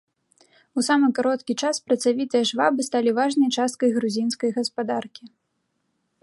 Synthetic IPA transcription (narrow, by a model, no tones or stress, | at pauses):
usamɨkaɾɔt̪kʲit͡ʂaspɾɐt̪savʲit̪ɨjɐʐvabɨst̪alʲivaʐnɐjt͡ʂast̪̚kɐjɣɾuzʲinskɐjɣɐspad̪arkʲi